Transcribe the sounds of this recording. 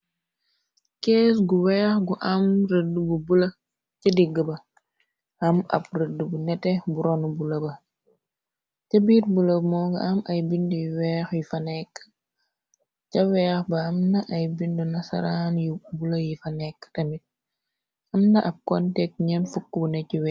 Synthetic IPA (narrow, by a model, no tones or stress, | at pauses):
kɛːsɡuwɛːxɡuʔɐmɾədːububulɐ | cɐdiɡːəbɐ | hɐmɐ̰b̚rədːubunɛtɛbuɾɔnubulɐbɐ | cɐbiːɾbulɐbmɔːɡɐ̰ʔɐmɐjbindujiwɛːxjifɐnɛkː | cɐwɛːxbɐɐmnɐʔɐjbindunɐsɐ̰ɾaːnjibulɐjifɐnɛkːə̥tɐmit̚ | ɐmnɐʔɐb̚kɔntɛk̚ɲɐnfukːbunɛciwɛ